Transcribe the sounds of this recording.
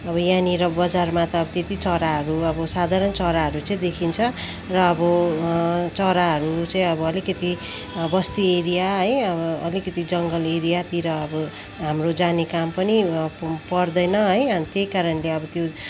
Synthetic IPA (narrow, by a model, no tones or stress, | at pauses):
ʌbʌjaniɾʌbʌd͡zarmat̪ʌːbʌt̪et̪it͡sʌɾaɦʌɾuʌbʌsad̪ʱaɾʌnt͡sʌɾaɦʌɾut͡saĩd̪ekʰint͡sʰʌ | rʌːbʌ | t͡sʌɾaɦʌɾut͡saĩʌbʌʌlikʌt̪i | bʌst̪ieɾijaɦʌjʌbʌʌlikʌt̪id͡zʌŋɡʌleɾijat̪iɾʌːbʌ | ɦamrod͡zanekampʌnipʌrd̪ʌjnʌɦʌjt̪jejkaɾʌnleʌbʌt̪jo